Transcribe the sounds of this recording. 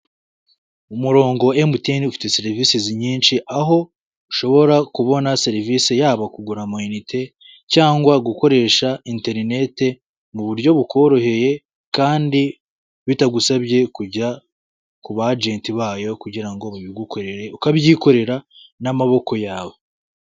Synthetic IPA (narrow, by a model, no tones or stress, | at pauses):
umuɾo̞ːŋɡo̞emuteniufi̥te̞seɾivisiziɲiːnʃiʔaɦo̞ | uʃo̞βo̞ɾakuβo̞naseɾivisejaːβakuɡuɾamoinitʰe̞ | caːŋɡwaɡuko̞ɾe̞ːʃainte̞ɾine̞te̞ | muβuɾjo̞βukʰo̞ɾo̞he̞je̞ | kaːndi | βitaɡusaβje̞kuɟa | kuβad͡ʒe̞ːntiβaːjo̞kuɟiɾaŋɡoβaβiɡukoɾeɾeukaβjiːko̞ɾe̞ɾanamaβo̞ko̞jaːβo̞